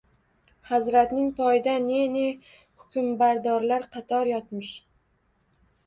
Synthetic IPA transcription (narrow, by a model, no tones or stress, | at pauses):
hazɾat̪nɪŋpʰɒjɪd̪anene | hʊ̥kʰʲʊmbaɾd̪ɒɾlaɾqʰɑt̪ʰɒɾjɒt̪mɪʃ